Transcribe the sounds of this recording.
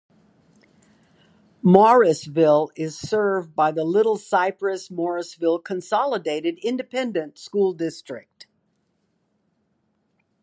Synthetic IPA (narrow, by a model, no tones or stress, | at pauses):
mɔɹɨsvɪlˠɪz̥sɜ˞vbaɪðəlɪɾl̩ˠsaɪpɹɨsmɔɹɨsvɪlˠkʰɨ̃nsɑlˠədeɪɾɨɾɪ̃ndɨpʰɛ̃ndɨ̃ntskulˠdɪstɹ̥ɪ̰k̚t